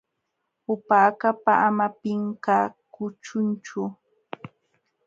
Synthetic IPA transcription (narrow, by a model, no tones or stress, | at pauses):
ʊpaːkapaʔamapɪŋkaːkʊt͡ʃʊnt͡ʃʊ